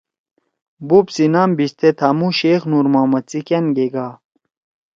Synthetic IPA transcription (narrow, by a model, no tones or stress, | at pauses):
bupsinambist̪ʰet̪ʰamuɕeːxnuɾmaːmɐt̪t͡sikenɡeɡaː